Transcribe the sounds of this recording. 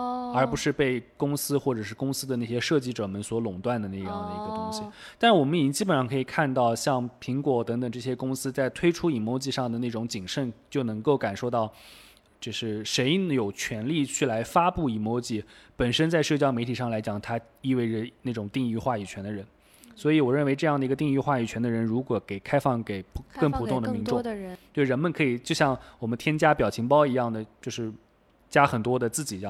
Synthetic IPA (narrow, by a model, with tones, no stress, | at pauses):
ə˞˧˥pu˧˥ʂɻ̩˥˧pe˥˩ɪkʊ˥ŋsɹ̩˥xwɔ˥˩ʈ͡ʂɤ˨˩ʂɻ̩˥˩kʊ˥ŋsɹ̩˥d̪ə˨na˥˩ɕjɛ˥ʂɤ˥˧t͡ɕi˥˩ʈ͡ʂɤ˨˩mə˥nswɔ˧˥lʊ˨˩ŋt̪wa˥˩nd̪ə˩na˥˧ɪjɑ˥˩ŋd̪ə˩ḭ˧˥ɡə˧t̪ʊ˥ŋɕi˨˩t̪a˥˧nʂɻ̩˥˩wɔ˨˩mə˦ni˨˩t͡ɕi˥ŋt͡ɕi˥pə˨˩nʂɑ˥˩ŋkʰɤ˧˥i˨˩kʰa˥˧nt̪ɑ˥˧ʊɕjɑ˥˩ŋpʰi˧˥ŋkwɔ˨˩t̪ɤ˧˥ŋt̪ɤ˨˩ŋʈ͡ʂɤ˥˩ɕjɛ˥kʊ˥ŋsɹ̩˥t͡sa˥˩ɪt̪ʰwe˥ɪʈ͡ʂʰu˥i˨˩mwɔ˧˥ʊt͡ɕi˧ʂɑ˥˩ŋd̪ə˩na˥˩ʈ͡ʂʊ˧˥ŋt͡ɕi˨˩ŋʂə˥˩nt͡ɕjo˥˩ʊnɤ˧˥ŋko˥˩ʊka˨˩nʂo˥˧ʊt̪ɑ˥˩ʊ | t͡ɕo˥˧ʊʂɻ̩˥˩ʂe˧˥ɪjo˨˩ʊt͡ɕʰɥɛ˧˥nli˥˧t͡ɕʰy˥˩la˧˥ɪfa˥pu˥˩i˨˩mɔ˧˥ʊt͡ɕi˥˩pə˨˩nʂə˥nt͡sa˥˧ɪʂɤ˥˩t͡ɕjɑ˥ʊme˧˥ɪt̪ʰi˨˩ʂɑ˥˩ŋla˧˥ɪt͡ɕjɑ˨˩ŋt̪ʰa˥ | i˥˧we˥˩ɪʈ͡ʂə˩na˥˩ʈ͡ʂʊ˨˩ŋt̪i˥˧ŋy˥˧xwa˥˩i˨˩t͡ɕʰɥɛ˧˥nd̪ə˧ɻə˧˥n | swɔ˧˥i˧˥wɔ˨˩ɻə˥˩nwe˧˥ɪʈ͡ʂɤ˥˧jɑ˥˩ŋd̪ə˩i˧˥ɡə˧t̪i˥˧ŋy˥˧xwa˥˩y˨˩t͡ɕʰɥɛ˧˥nd̪ə˧ɻə˧˥nɻu˧˥kwɔ˨˩ke˨˩ɪkʰa˥ɪfɑ˥˩ŋke˨˩ɪpʰkŋpʰu˨˩t̪ʊ˥˩ŋd̪ə˨mi˧˥ŋʈ͡ʂŋt̪we˥˩ɪɻə˧˥nmə˨nkʰɤ˧˥i˨˩t͡ɕjo˥˧ʊɕjɑ˥˩ŋwɔ˨˩mə˦nt̪ʰjɛ˥nt͡ɕja˥pjɑ˨˩ʊt͡ɕʰi˧˥ŋpɑ˥ʊi˧˥jɑ˥˩ŋd̪ə˩t͡ɕjo˥˧ʊʂɻ̩˥˩ | t͡ɕja˥xə˨˩nt̪wɔ˥d̪ə˨t͡sɹ̩˥˩t͡ɕi˨˩jɑ˥˩